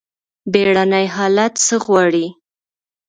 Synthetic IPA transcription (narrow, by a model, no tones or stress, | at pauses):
beɽanajɦɑlat̪səɣwɑɽi